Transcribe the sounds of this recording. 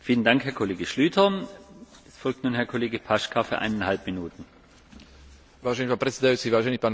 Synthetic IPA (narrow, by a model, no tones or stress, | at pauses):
fiːləndaŋkhɛɐkʰoleːɡəʃlyːtʰɐ | ɛsfɔlk̚tnuːnhɛɐkʰoleːɡəpʰaʃkʰafyɐʔa̰ɪnanhalpminuːtn̩ | ʋaːʒɛnipaːnpɾɛt̪t͡sɛd̪ajuːt͡siʋaːʒɛniːpaːn